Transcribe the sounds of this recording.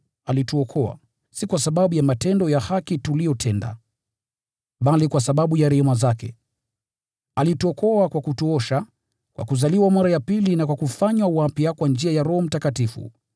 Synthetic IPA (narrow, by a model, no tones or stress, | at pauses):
alituɔkʰɔa̰ | sikwasaɓaɓujamatɛndɔjahakitulijɔtʰɛnda̰ | ɓalikwasaɓaɓujaɾɛhɛmazakɛ̰ | alituɔkɔakwakutuɔʃa | kwʔa̰kuzaliwamaɾajapilinakwakufaɲwawapiakwand͡ʒiajaɾɔhɔm̩takatifṵ